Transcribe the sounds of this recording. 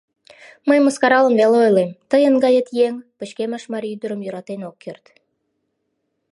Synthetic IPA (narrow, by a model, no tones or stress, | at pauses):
məjməskɑɾɑləmveleojlemt̪əjənɡɑjət̪jeŋpət͡ɕkeməʃmɑɾyd̪əɾə̆mjoɾɑt̪enokːørt̪